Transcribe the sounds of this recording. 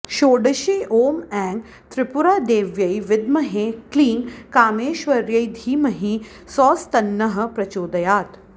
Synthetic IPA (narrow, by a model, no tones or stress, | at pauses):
ʃoːɖɐʃeːʔoːmɛːŋɡ | t̪ɾɪpʊɾaːd̪eːʋjɐjʋɪd̪̚mɐɦeklĩːŋɡkaːmeːʃʋɐɾjɐjd̪ʱiːmɐɦi | sɔːst̪ɐnːɐɦə̆pɾɐt͡ʃoːd̪ɐjaːt̪